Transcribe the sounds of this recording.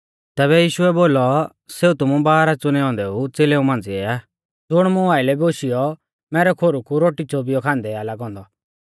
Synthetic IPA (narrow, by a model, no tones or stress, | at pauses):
t̪ɛːβɛjiːʃʊɛboːlɔ | seːut̪ʊmũbaːɾat͡sʊñɛɦɔ̃ːnd̪ɛut͡seːleũmãːnd͡ziɛaː | d͡zʊɽ̃mũaːɪlɛboːʃijɔ | mɛːɾɛkʰoːɾukuɾoːʈit͡sobijɔkʰãːnd̪ɛalaɡɦɔ̃ːnd̪ɔ